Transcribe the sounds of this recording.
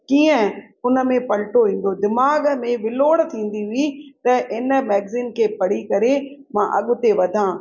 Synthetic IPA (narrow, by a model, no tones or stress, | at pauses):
kiːə̃ | ʊnə̆mẽpɐlʈoʋĩːn̆d̪od̪ɪmaːɡmẽʋɪloːɽt̪ʰĩːn̆d̪iʋit̪ɐʔɪnə̆mɛːɡziːnkʰeːpɐɽikɐɾemãʔɐɠʊt̪eʋɐd̪ʱãː